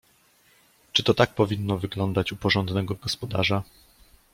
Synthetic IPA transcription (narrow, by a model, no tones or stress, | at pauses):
t͡ʂɘt̪ɔt̪ak̚pɔvʲinːɔvɘɡlɔnd̪at͡ɕupɔʐɔnd̪nɛɡɔɡɔspɔd̪aʐa